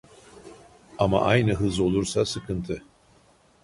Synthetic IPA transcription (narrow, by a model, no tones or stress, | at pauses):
ama̰ʔajnɯɦɯzo̞lˠuɾsasɯkʰɯnt̪ʰɯ